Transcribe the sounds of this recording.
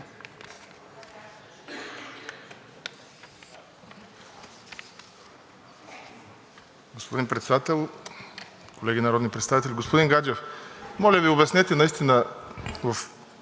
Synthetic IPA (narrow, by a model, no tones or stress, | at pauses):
ɡospod̪inpɾɛt̪sɛd̪at̪ɛlˠ | kolɛɡʲinɐɾɔd̪nipɾɛt̪savit̪ɛlʲɡospod̪iŋɡad͡ʒɛfmɔlʲəviobɛsnɛt̪ɛnɐist̪inəvɐf